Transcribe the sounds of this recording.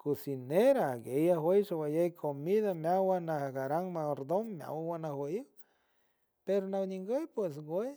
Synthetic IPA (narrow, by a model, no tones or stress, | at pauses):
kusineɾaɡejaɦwejʃawajejkʰomiðamjawanahaɡaɾaŋmaoɾd̪oŋːja̰wawanahweiw | peɾonawɲiŋɡojpwes̬ɡʷej